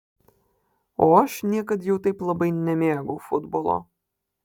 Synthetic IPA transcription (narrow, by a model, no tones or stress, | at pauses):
oːɐʃnʲiɛkɐt̪jɛʊt̪ɐɪplˠɐbɐɪnʲɛmʲeːɡʊfʊd̪bolˠo̰